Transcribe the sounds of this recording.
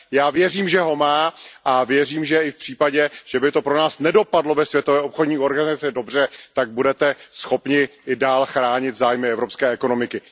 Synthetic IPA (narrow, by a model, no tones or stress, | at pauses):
jaːvjɛriːmʒɛɦo̞maːʔavjɛriːmʒɛɪfpr̥iːpaɟɛʒ̥ɛbɪt̪opɾo̞naːsnɛdo̞padlo̞vɛsvjɛt̪ovɛːʔopxodɲiːo̞ɾɡanɪzat͡sɪdo̞br̝ɛt̪aɡ̚budɛt̪ɛsxo̞pɲɪʔɪdaːlxɾaːɲɪt̪zaːjmɪɛvɾopskɛːɛko̞no̞mɪkɪ